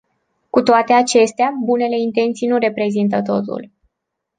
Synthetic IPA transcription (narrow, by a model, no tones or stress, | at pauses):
kut̪oat̪e̞at͡ʃe̞st̪eabune̞le̞int̪e̞nt̪sijnuɾe̞pɾe̞zint̪̬ət̪o̞t̪ṵl